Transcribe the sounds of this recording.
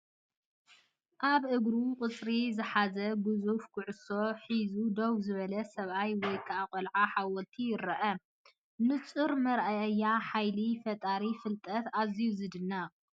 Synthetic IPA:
ʔaβʔɨɡɾuqʼɨt͡sʼɾizɨħazɐɡɨzufkʰʊʕʊso̞ħizud̪owzɨβɐlɐsɐβʔajwɔjkʰaaqʼɔlʕaħawɔlt̪ʰijɪɾɐʔɐ | nɨt͡sʼɨɾmɐɾʔaɐjːaħajlifɐt̪ʼaɾifɨlt̪ʼɐt̪azijuzɨd̪ɨnːɐ

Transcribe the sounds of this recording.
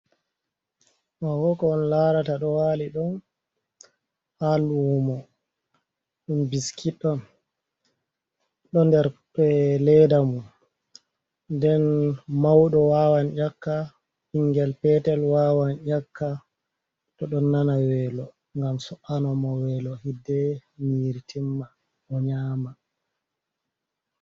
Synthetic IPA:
mawɔkɔnlaɾataɗɔwaːliɗɔn | halumɔ | ɗunbiskʰiɗɔn | ɗɔndɛɾɓɛlɛdamun | ndɛnmawɗɔwaːwanʔakːa | hiŋɡɛlpɛtɛlwawanʔakːa | tɔɗɔnːanawɛːlɔ | ŋɡamsɔʔanɔmɔwɛlɔhidːɛniɾitʰimːa | ɔɲaːma

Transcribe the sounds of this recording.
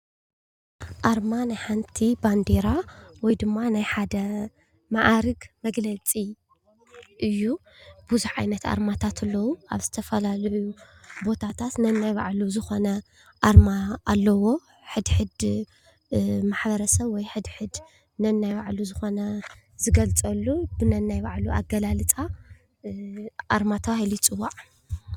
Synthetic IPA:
ʔaɾmanajħant̪ʰiband̪e̞ɾawɔjd̪ɨmːanajħad̪ɐ | maʔaɾɨɡmɐɡlɐt͡sʼi | ʔɨjːu | b̥ɨzuħʕa̰jnɐt̪ʔa̰ɾmat̪ʰat̪ʰɨlːɐwua̰βzɨ̥t̪ʰɐfɐlalʕu | bo̞t̪ʰat̪ʰat̪nɐnːajβaʕluzɨxo̞nɐ | ʔaɾmaʔːlːɐwo̞ | ħɨd̪ħɨd̪ | maħbɐɾɐsɐβwɔjħɨd̪ħɨd̪ | nɐnːajβaʕluzɨxo̞nɐ | zɨɡɐlt͡sʼɐlːubɨnɐnːajbaʕlua̰ɡɐlalɨt͡sʼa | ʔaɾmat̪ʰɐβahilit͡sʼɨwːaʕ

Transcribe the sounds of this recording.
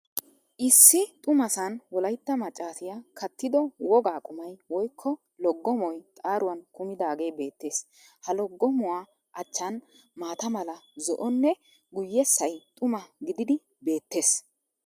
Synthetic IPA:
ʔɪsːɪt̪ʼʊmɐsɐnwɔlɐjt̪ːɐmɐt͡ʃʼːaːsɪjakʰɐt̪ːɪd̪ɔwɔɡaːkʼʊmɐjwɔjkʰːɔ | lɔɡːɔmɔjt̪ʼaːɾʊwɐnkʊmɪd̪aːɡe̞jbe̞ːt̪ːe̞ːs | hɐlɔɡːɔmʊwaː | ʔɐt͡ʃːɐn | maːt̪ɐmɐlɐzɔʔɔnːɛ | ɡʊjːɛsːɐjt̪ʼʊmɐɡɪd̪ɪd̪ɪ | be̞ːt̪ːe̞ːs

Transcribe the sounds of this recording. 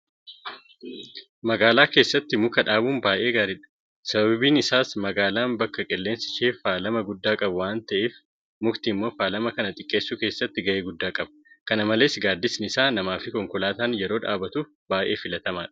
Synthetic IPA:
mɐɡaːlaːke̞ːsːɐt̪ːɪmʊkɐᶑaːbuːnbaːʔe̞ːɡaːɾɪᶑɐ̥ | sɐbɐbiːnɪsaːsmɐɡaːlaːnbɐkːɐkʼɛlːeːnsɪ̥ʃeːfaːlɐmɐɡʊd̪ːaːkʼɐbʊwaːnt̪ɐʔeːf | mʊkt̪imːo̞ːfaːlɐmɐkɐnɐt̪ʼɪkʼːe̞ːsːuːke̞ːsːɐt̪ːɪɡɐʔeːɡʊd̪ːaːkʼɐbɐ̥kɐnɐmɐle̞ːsɡaːd̪ːɪsɪnɪsaːnɐmaːfɪkɔŋkɔlaːt̪aːnjɛɾo̞ːᶑa̰ːbɐt̪u | baːʔe̞ːfɪlɐt̪ɐmaːᶑɐ̥

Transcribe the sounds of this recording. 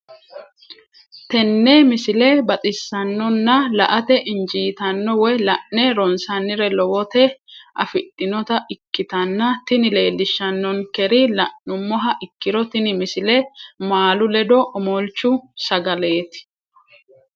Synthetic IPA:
t̪ɛnːɛmɪsɪlɛbɐt̪ʼɪsːɐnːɔnːɐlɐʔɐt̪ɛʔɪnd͡ʒiːt̪ɐnːɔwɔjlɐʔːɛɾɔnsɐnːɪɾɛlɔwɔt̪ɛʔɐ̰fɪtʼːɪnɔt̪ɐʔɪkːɪt̪ɐnːɐt̪ɪnɪle̞ːlːɪʃːɐnːɔnkɛɾɪlɐʔːʊmːɔɦɐʔɪkːɪɾɔt̪ɪnɪmɪsɪlɛmaːlʊlɛd̪ɔʔɔmɔlt͡ʃːʊsɐɡɐle̞ːt̪ɪ̥

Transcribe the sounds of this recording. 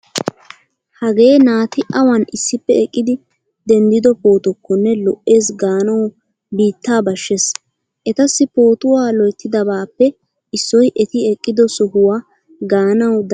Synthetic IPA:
hɐɡe̞ːnaːt̪ɪʔɐwɐnʔɪsːɪpːɛɛkʼːɪd̪ɪ | d̪ɛnd̪ɪd̪ɔpo̞ːt̪ɔkːɔnːɛlɔʔe̞ːsɡaːnɐw | biːt̪ːaːbɐʃːɛs | ʔɛt̪ɐsːɪpo̞ːt̪ʊwaːlɔjt̪ʰːɪd̪ɐbaːpːɛ | ʔɪsːɔjʔɛt̪ɪɛkʼːɪd̪ɔsɔɦʊwa | ɡaːnɐwd̪

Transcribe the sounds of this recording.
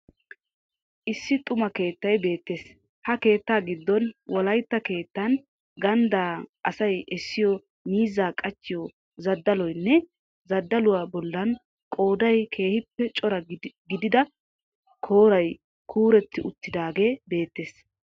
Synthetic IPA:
ʔɪsːɪt̪ʼʊmɐke̞ːt̪ːɐjbe̞ːt̪ːe̞ːs | hɐke̞ːt̪ːaːɡɪd̪ːɔnwɔlɐjt̪ːɐke̞ːt̪ːɐn | ɡɐnd̪aːʔɐsɐjɛsːɪjɔ | miːzaːkʼɐt͡ʃːɪjɔ | zɐd̪ːɐlɔjnːɛ | zɐd̪ːɐlʊwaːbɔlːɐn | kʼo̞ːd̪ɐjkʰe̞ːhɪpːɛt͡ʃʼɔɾɐɡɪd̪ɪd̪ɐ | kʰo̞ːɾɐj | kʰuːɾɛt̪ʰːɪʔʊt̪ːɪd̪aːɡe̞ːbe̞ːt̪ːe̞ːs

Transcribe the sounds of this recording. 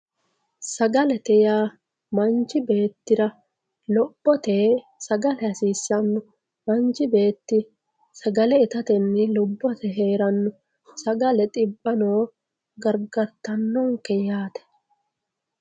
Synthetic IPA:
sɐɡɐlɛt̪ɛjaː | mɐnt͡ʃɪbe̞ːt̪ːɪɾɐ | lɔb̥ːɔt̪eːsɐɡɐlɛɐsiːsːɐnːʊ | mɐnd͡ʒɪbe̞ːt̪ːɪ | sɐɡɐlɛɪt̪ɐt̪ɛnːɪlʊbːɔt̪ɛɦe̞ːɾɐnːʊ | sɐɡɐlɛt̪ʼɪbːɐnoː | ɡɐɾɡɐɾt̪ɐnːɔŋkɛjaːt̪ɛ̥

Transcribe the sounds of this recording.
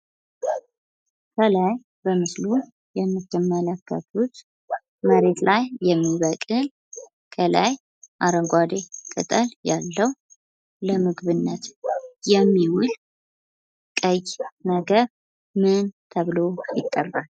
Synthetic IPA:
kʰəlaj | bəmɨslu | jɛmːɨt̪ːɨmːələkːə̰t̪ut̪ | məɾe̞t̪lʔajːɛmːiβəkʼɨl | kʰəla̰j | ʔaɾəŋɡʷad̪ekʼɨ̰t̪ʼəljalːəw | ləmɨɡβɨnːət̪jɛmːiwʊl | kʼəjnəɡəβ | mɨnt̪ʰəβlo̞jɪk̪ʼːərbal

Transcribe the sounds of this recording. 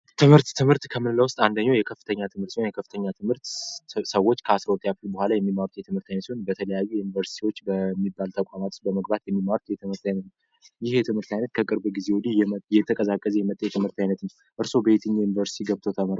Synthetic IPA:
t̪ʰɨmhɨɾt̪ːʰɨmhɨɾt̪kʰəmɨnɨlːawʊst̪ʼand̪əɲːajɛkʰəfːɨ̥t̪ʰəɲːat̪ʰɨmhɨɾt̪sajɛkʰəfːɨt̪ʰəɲːat̪ʰɨmhɨɾt̪səwo̞t͡ʃːkʰəasɾəwt̪ʼjafɨlbəhʷalajɛmːimːaɾut̪jɛt̪ʰɨmhɨɾt̪ʰajnət̪seonbət̪ʰələjajːujunivəɾsi̥t̪ʰiwo̞t͡ʃːbəmːibːalt̪ʰəkʷʼamat̪ʰo̥t͡ʃbəməɡbat̪jɛmːimːaɾut̪jɛt̪ʰɨmhɨɾt̪ajnət̪nəw | jɪhjɛt̪ʰɨmhɨɾt̪ajnət̪kʰəkʼɨɾbɡize̞wɔd̪ijɛt̪ʰəkʼəzakʼːəzɛjɛmət̪ʼːəjɛt̪ʰɨmhɨɾt̪ajnət̪nəw | ʔɨɾso̞bəet̪ʰɨɲːajunivəɾsi̥t̪ʰiɡəβt̪ʰowt̪ʰəmɾa

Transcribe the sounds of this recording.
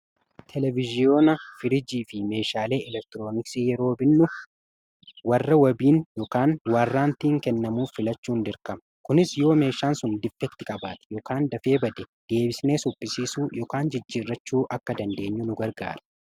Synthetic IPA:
t̪ʰɛlɛvɪzɪjo̞ːnɐfɪɾɪd͡ʒiːfɪme̞ːʃaːle̞ːʔɛlɛk̚t̪ɪɾo̞ːnɪksiːjɛɾo̞ːbɪnːʊ | wɐrːɐwɐbiːnjɔːkaːnwɐrːaːnt̪iːŋkɛnːɐmuːfɪlɐt͡ʃːuːnd̪ɪɾkɐmɐ | kʊnɪsjo̞ːme̞ːʃaːnsʊnd̪ɪfːɛkt̪ɪkʼɐba̰ːt̪ɛ̥jɔːkaːnd̪ɐfe̞ːbɐd̪ɛd̪̥e̞ːbɪsne̞ːsʊpʼːɪsiːsuːjɔːkaːnd͡ʒɪd͡ʒːiːrːɐt͡ʃːuːʔɐkːɐd̪ɐnd̪e̞ːɲːʊnʊɡɐɾɡa̰ːɾɐ̥

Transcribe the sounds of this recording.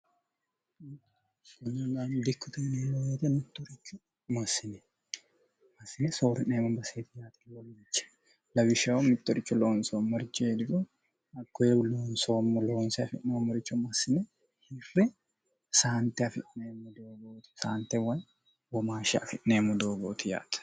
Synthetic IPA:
sɐɲːɐnand̪ɪkːʊt̪ɐniːloːjet̪ɛmɪt̪ːɔɾɪt͡ʃːʊ | mɐsɪnɛ | mɐsɪnɛsoːɾɪneːmɐmbɐseːt̪ɪjaːt̪ɪlɔlːit͡ʃːɐ̥ | lɐbɪʃɐwɔmɪt̪ːɔɾɪt͡ʃːʊloːnsoːmːɔɾɪt͡ʃːeːd̪ɪbʊ | ɐkːɔjeloːnsoːmɔloːnsɛɐfɪ̰ʔnɛmːɔɾɪt͡ʃːʊmɐsɪnɛ | hɪrːɛ | saːnt̪ɛɐfɪʔnemːɔd̪oːɡoːt̪ɪ̥saːnt̪ɛwɐj | wɔmaːʃɛɐfɪʔneːmɔd̪oːɡoːt̪ɪja̰ːt̪ɐ̥

